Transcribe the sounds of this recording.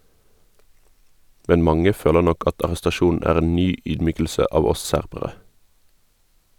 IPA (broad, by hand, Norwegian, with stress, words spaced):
ˈmɛn ˈmɑŋə ˈføːlə ˈnɔk ˈɑt ɑʁɛstɑˈʃuːn̩ ˈæːʁ ˈeːn ˈnyː ˈyːdˌmyːkl̩sə ˈɑːʋ ˈɔs ˈsæʁbəʁə